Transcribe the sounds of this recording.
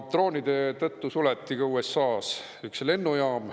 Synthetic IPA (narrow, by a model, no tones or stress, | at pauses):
t̪ːro̞ːnid̪̥e̞t̪ɤt̪ːusulɛt̪ːiɡ̥ɑuːesːɑːs | yksle̞nːujɑːm